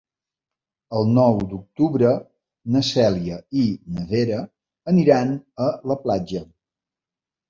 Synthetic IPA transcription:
əlˠnɔwd̪uk̚t̪uβɾə | nəsɛliəinəβeɾəː | niɾanələplad͡ʒə

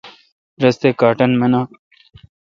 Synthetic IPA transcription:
ɾɐst̪eːkaːʈɐnmenaː

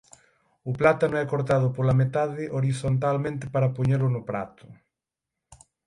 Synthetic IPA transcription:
ʊplat̪anʊɛkoɾt̪aðʊpolamet̪aðɪʔoɾiθont̪almẽnt̪ɪpaɾapoɲeɾʊnʊpɾat̪ʊ̥

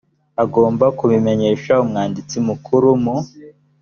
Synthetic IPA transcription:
aɡo̞ːmbakuβime̞ɲe̞ːʃaumŋaːndit͡simukʰuɾumu

